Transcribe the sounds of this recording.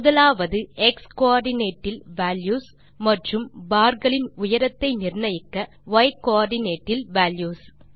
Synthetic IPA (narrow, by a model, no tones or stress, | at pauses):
mʊðɐlaːʋɐðɯɛkskoaːɾɖɪneːʈːɪlʋaːljuːs | mɐʈrɯmbaːɾɡɐɭɪnʊjɐɾɐt̪ːɐɪnɪrɳɐjɪkːɐ | ʋɐɪkoaːɾɖɪneːʈːɪlʋaːljuːs